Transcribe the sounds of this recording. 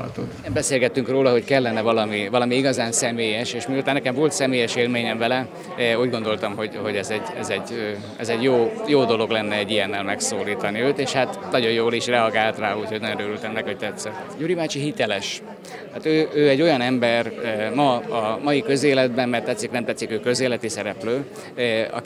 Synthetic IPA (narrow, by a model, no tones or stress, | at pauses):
ɒ̰t̪o̰nɛmbɛseːlɡɛt̪ːyŋkroːlɒɦo̞ckɛlːɛnɛvɒlɒmivɒlɒmiiɡɒzaːnsɛmeːjɛʃeːʃmiult̪anːɛkɛɱvo̞lt̪sɛmeːjɛʃeːlmeːɲɛɱvɛlɛ | uːɟɡo̞nd̪o̞lt̪ɒmɦo̞ɟho̞ɟɛzɛɟɛ̰zɛɟø | ɛzɛɟjoːjoːd̪o̞lo̞ɡlɛnːɛɛɟːijɛnːɛlmɛksoːliːt̪ɒniøːt̪eːʃhat̪nɒɟo̞jjoːliʃrɛɒɡaːlt̪raːuːchoɟnɒɟonøːɾylt̪ɛmnɛkho̞c̚t̪ɛt̪sɛ | juːɾimaːt͡ʃiɦit̪ɛlɛʃ | t̪aːt̪øːʔøːɛɟːo̞jɒnɛmbɛrmɒɒmɒjikø̞zeːlɛd̪bɛmːɛrt̪ɛt̪sːiknɛmt̪ɛt̪sikøːkø̞zeːlɛt̪isɛɾɛpløː | ɒ̰